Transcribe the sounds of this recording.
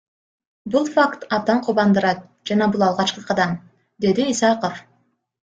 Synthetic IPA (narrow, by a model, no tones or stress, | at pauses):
bulˠfakt̪ɑb̚d̪ɑɴqʰuβɑnd̪ɯɾɑt̪̚ | d͡ʒɑnɑbulˠɑlˠʁɑt͡ʃqɯqʰɑd̪ɑm | d̪e̞d̪iisɑqof